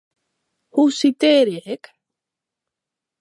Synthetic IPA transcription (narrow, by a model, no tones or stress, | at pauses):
husit̪eɾeek